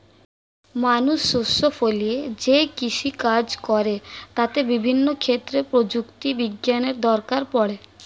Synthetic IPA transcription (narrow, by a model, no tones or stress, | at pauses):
manuʃːusːofolied͡ʑekiʃʰikad͡ʑkɔɾet̪at̪ebibʱinːokʰet̪ːɾepɾod͡ʑukt̪ibiɡjaneɾd̪ɔɾkaɾpɔɽe